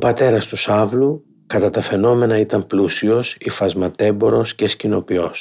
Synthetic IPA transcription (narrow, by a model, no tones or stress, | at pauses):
pɐt̪e̞ɾɐst̪usɐvlu | kɐt̪ɐt̪ɐfe̞no̞me̞nɐit̪ɐmplusio̞sifɐzmɐt̪e̞bo̞ɾo̞scescino̞pio̞s